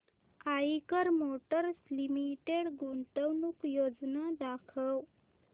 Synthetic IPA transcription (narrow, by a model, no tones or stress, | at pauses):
aikəɾmoʈəɾslimiʈeɽɡuɳʈəwnukjod͡znad̪akʰəw